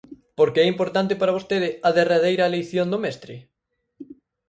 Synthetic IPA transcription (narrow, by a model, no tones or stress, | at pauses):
poɾkeɛimpoɾt̪ant̪̬ɪpaɾaβ̞ost̪eðɪɐðeraðejɾɐelejθjond̪omɛst̪ɾɪ